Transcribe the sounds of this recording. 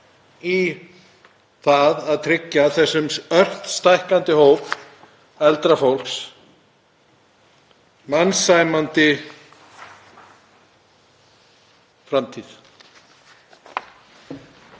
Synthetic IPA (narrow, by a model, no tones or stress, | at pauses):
i | θaðaðt̪ʰɾɪcːaθɛsːʏmœr̥t̪st̪ajhkant̪ɪɦoːwp | ɛlt̪ɾafowl̥ks | mansajmant̪ɪ | fɾamt̪ʰið